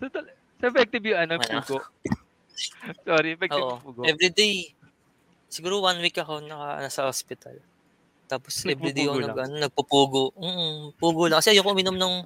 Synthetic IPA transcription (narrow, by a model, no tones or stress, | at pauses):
tot̪ɐl | sɐɛfɛk̚t̪ɪbjʊɐnomɐnuɡoʔ | soɾiɛfɛkʔoʔopuɡoʔɛvɾid̪ej | sɪɡuːɾowanwikːɐkonɐkɐ̰ʔɐ̰nasɐhospɪt̪ɐ̰l | t̪aːposɛvɾɪd̪ekɐkonɐɡɐnonɐɡ̚pɐpuːɡoʔm̩ːʔ̩puːɡolɐŋkɐsɛʔɐjokoʔʊmɪnomnɐŋ